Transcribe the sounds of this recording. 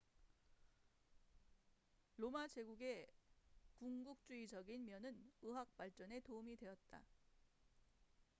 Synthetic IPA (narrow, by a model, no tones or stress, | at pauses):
lomad͡ʑe̞ɡuɡe̞ | kuŋɡuk̚t͡ɕ͈uid͡ʑʌɡinmjʌnɯnɯɦak̚p͈aɭt͡ɕ͈ʌne̞toumidwe̞ʌt̚t͈a̰